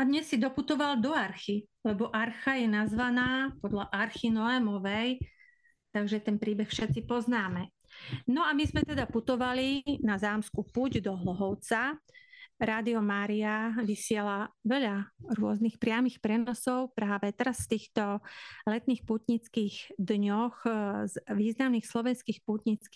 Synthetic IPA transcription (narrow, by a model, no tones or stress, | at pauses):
ad̪ɲɛsːid̪ɔput̪ɔʋald̪ɔaɾxilɛbɔʔaɾxajɛnazʋanaːpɔd̪ʎaʔaɾxinɔɛmɔʋɛj | t̪aɡʒɛt̪ɛnpɾiːbɛxfʃɛt̪t͡sipɔznaːmɛ | nɔamizmɛt̪ɛd̪aput̪ɔʋalinazaːmskupuɟd̪ɔɦlɔɦɔʊt͡sa | ɾaːd̪iɔmaːɾiaʋisɪɛlaʋɛʎaɾʊɔznixpɾɪamixpɾɛnɔsɔʊpɾaːʋɛt̪ɛɾasft̪iːxt̪ɔlɛt̪niːxput̪ɲit͡skiːɣd̪ɲɔxzʋiːznamniːxslɔʋɛnskiːxput̪ɲit͡ski